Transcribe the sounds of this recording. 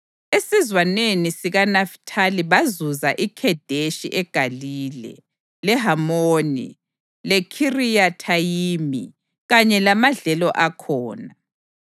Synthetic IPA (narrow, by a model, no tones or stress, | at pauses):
esizwanenisiɣanaftʰaliβazuzaʔikʰɛd̥ʱeʃiʔɛɡ̥ʱaliːlɛ̰ | lɛɦamoːnḭ | lɛkʰirijatʰajiːmḭ | ɣaɲɛlamaɮɛlɔʔakʰɔːna